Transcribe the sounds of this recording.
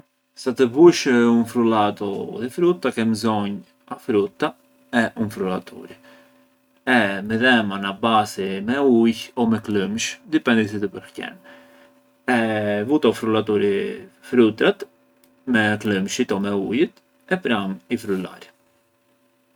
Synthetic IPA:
sat̪əvuʃəunfɾulat̪ɔðɛfɾut̪ːakɛmzɔɲ | afɾut̪ːa | ɛʔunfɾulat̪ʰṵɾi | ɛmɛðɛmanabasimɛujɔmɛkləmʃd̪ipɛnd̪is̬it̪əpəɾhcɛ̰n | ɛvut̪ɔfɾulat̪̬uɾifɾut̪at̪ | mɛkləmʃit̪ɔmɛujit̪ | ɛpɾamifɾula̰ɾ

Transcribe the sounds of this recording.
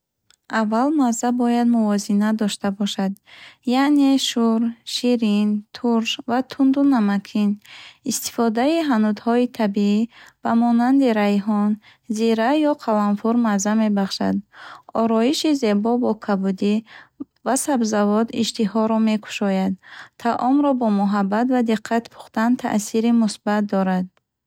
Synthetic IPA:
avːalmazabɔjad̪muvɔzinad̪ɔʃt̪abɔʃad̪jaʔne̞ʃuɾʃiɾint̪ʰuɾʃvat̪ʰund̪unamakʰinist̪i̥fɔd̪aiɦanud̪hɔit̪ʰabiib̥amɔnand̪iɾaɦɔn | ziɾajɔqʰalanfuɾmazame̞baχʃa̰d̪ɔɾɔiʃize̞bɔbɔkʰabud̪i | vasabzavɔd̪ḭʃt̪ihɔɾɔme̞kʰu̥ʃɔjad̪t̪ʰaʔɔmɾɔbɔmuɦabːat̪vad̪iqʰːat̪pʰu̥χt̪ant̪ʰa̰ʔsiɾimusbat̪̚d̪ɔɾad̪̚

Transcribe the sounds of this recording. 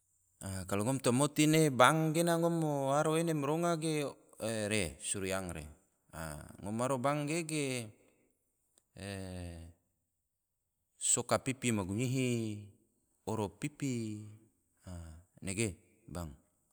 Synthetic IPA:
akaluŋɔmt̪omot̪inebaŋɡenaŋɔmoaɾoenemɾoŋaɡe | eɾesuɾiaŋɾḛ | a̰ŋɔmaɾobaŋɡeɡe | sokapipimaɡuɲiɦi | oɾopipi | aneɡe | baŋ

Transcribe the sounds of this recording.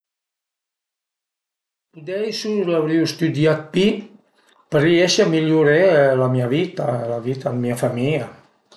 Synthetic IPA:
pud̪ɛjsulawɾiwst̪ud̪iat̪̚pi | pəɾieʃəmiʎuɾelamiaβit̪alaβit̪amːiafamilja

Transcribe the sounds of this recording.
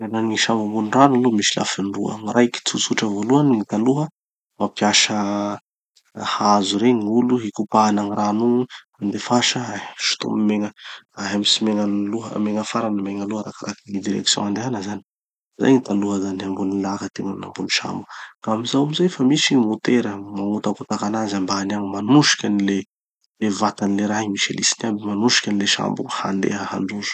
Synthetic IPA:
ananiʃambambuniranulumisila̰finduə̰maɾʔajki̥t͡sut͡suʈ͡ʂəvoluaniit̪aluɦə | mapiaʃə | hazuɾeɲŋuluɦikupaanaŋiranu | and̪efaʃəaɦamiʃu̥t̪ṵmimeŋəaɦamisimeŋanluɦə̰meŋəfaɾanəmeŋəluɦəɾakaɾakinid̪iɾɛ̰ksjɔ̰̃and̪eɦanəzani̥ | za̰jɲit̪aɳluɦəzanambunilakət̪eŋanna̰mbuniʃa̰mbu̥kaamizawamizajfamisimut̪eɾəmaŋut̪akut̪akanazambanaɲimanuʃi̥kʲanile | levat̪anileɾaɦimiʃḛlisinambimanuʃi̥kʲanileʃa̰mbṵha̰nd̪ḛɦəha̰ɳɖ͡ʐuzu̥

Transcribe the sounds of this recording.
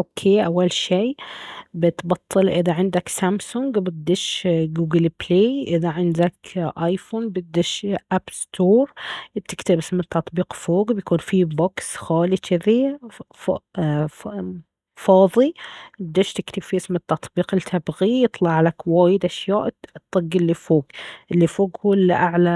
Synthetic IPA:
ʔokʰeːʔawːalʃeːbɪt̪bɑt̪ˤʰːɨlʔɪðaʕɪnd̪aksamsʊŋɡbɪd̪ɪʃɡuːɡɪlpleːʔɪðaʕɪnd̪akʔajfuːnbɪd̪ɪʃʔabst̪ʰoːɾˤbt̪ɪkt̪ɪbʔɪsmɪt̪ːɑt̪ˤbiːqfoːɡbjkuːnfiboksxaːlit͡ʃɪði | fɑːðˤiɪd̪ːɪʃt̪ɪkt̪ɪb̥fiʔɪsmɪt̪ːɑt̪ˤbiːqɪlt̪ʰabɣijɨt̪ˤlɑʕlakwaːjɪd̪ʔaʃjaːʔt̪ˤːɨɡːɪlːifoːɡʔɪlːifoːɡhuːlʔaʕla

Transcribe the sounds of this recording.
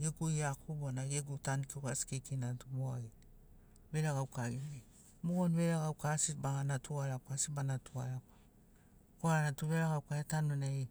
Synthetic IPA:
jeɡujakubonajeɡutankikasi̥kekinatuboaɡi | βeɾaɡawkaɡime | muɡonβeɾaɡawkasibaŋanatʰuaɾaasibanatuaɾaka | koaanatuβeɾaɡawkaetanonai

